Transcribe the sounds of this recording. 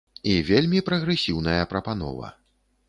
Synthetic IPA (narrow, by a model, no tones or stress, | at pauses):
ivʲelʲmʲipɾɐɣɾɛsʲiwnɐjɐpɾɐpan̪ɔ̰vɐ̰